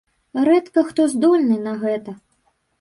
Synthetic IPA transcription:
ɾɛt̪kɐxt̪ɔzd̪ɔlʲnɨnɐɣɛt̪ɐ

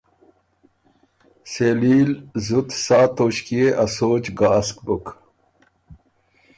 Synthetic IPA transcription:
seːliːlzut̪saːt̪oɕkieʔasoːt͡ɕɡaːskbuk

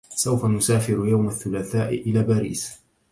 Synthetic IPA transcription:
sawfanʊsaːfɪɾʊjawmaθːʊlaːθaːʔɪʔɪlaːbaːɾḭːs

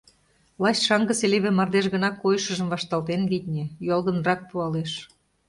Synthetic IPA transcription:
lˠɑɕʃɑŋɡə̆seleβemɑrd̪eʃɣə̆nɑkːojʃə̆ʒə̆mvɑʃt̪ɑlˠt̪enɡit̪ʲnʲĕjolˠɣə̆nrɑk̚puɑleʃ

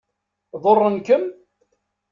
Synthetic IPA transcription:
ðˤorˤːənkəm

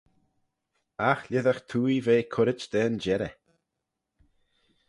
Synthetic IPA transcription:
axlʲɪðəxt̪ʰuːjveːkʰʊɾɪt͡ʃd̪̥ɛːnd͡ʒɛɾə

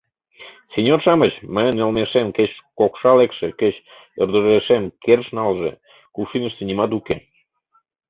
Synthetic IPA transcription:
senʲorʃɑmət͡ɕməjənelmeʃemkeɕkokʃɑlekʃekeɕ | ərd̪əɾeʃemkerʃnɑlʒḛ | kuʃinəʃt̪ənimɑt̪uke

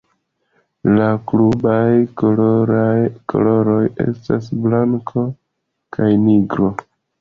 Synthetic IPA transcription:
laklubajkoɾakʰo̰lo̞ɾo̞je̞̰stasblaŋkʰo̞ | kʰajniɡɾo̞

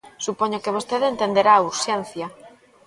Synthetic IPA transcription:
supoɲokeβ̞ost̪eðent̪end̪eɾaːuɾʃɛnθja

